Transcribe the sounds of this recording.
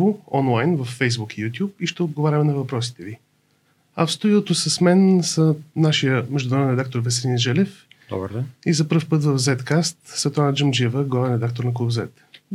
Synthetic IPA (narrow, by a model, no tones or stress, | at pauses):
voɔnlˠajnvɐfːɛjzbukijut̪ʲjup̚iʃt̪ɛod̪ɡovaɾʲɐmɛnɐvɐpɾɔsi̥t̪ɛvi | afst̪oilˠot̪osəsmɛnsənaʃijəmɛʒd̪ʊnɐɾɔvɛnɾɛd̪akt̪oɾvɛsɛɾiniʒɛlɛf | d̪ɔ̰bəɾd̪izɐpəfpɤt̪vəfzɛt̪kast̪svɛt̪ɾanəd͡ʒəmd͡ʒivəɡlˠavɛnɾɛd̪ak̚t̪oɾnɐklˠubzɛt̪